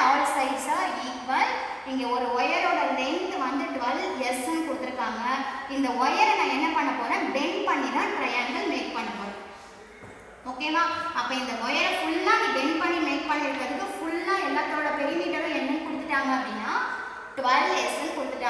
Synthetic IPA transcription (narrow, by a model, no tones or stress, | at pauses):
ɐːɾɐsɐɪsaːɾiːkʋɐl | ɪŋɡeːɔɾɯɔjɐɾoːɽɐlɐɪnd̪ɯʋɐnd̪ɯʈʋɐlɛɾsɐnkɔɽɯt̪ːɪɾɯkːaːŋɡɐɪnd̪ɐɔjɐɾɛnãːɛnːɐpɐɳːɐpoːɾẽɖɛɳpɐɳːiðãːʈɾɐjɐŋɡɐɭmeːk̚pɐɳːɐpoːɾẽ | oːkːejɐmaːɐpːɐ̃ːɪnd̪ɐɔjɐɾɐ̃fʊɭːaːɖɛɳpɐɳːimeːk̚pɐɳːɐɪɾɯkːɾɐðɯkːɯ̃fʊɭnãːɛlːɐt̪ːoːɽɐpɛɾɪmiːʈːɐɾʊ̃ɛnːɐnɯkɔɽɯt̪ːɯʈːaːŋɡɐɐpːɽinːaː | ʈʊʋɐlɛɾsɐnːkɔɽɯt̪ːɯʈːaː